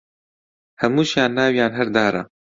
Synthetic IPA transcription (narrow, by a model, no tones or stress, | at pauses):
hɐmuːʃjaːnːaːwjaːnɦɛɾd̪aːɾa̰